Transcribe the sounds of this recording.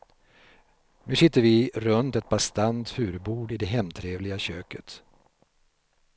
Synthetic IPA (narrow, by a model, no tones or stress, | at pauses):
nʉ̟ːsɪt̪ːəɾvɪɾɵnt̪ɛt̪̚bast̪ant̪fʉ̟ːɾbuːɖɪd̪ɛɦɛmːt̪ʰɾeːvlɪɡaɕøːkət̪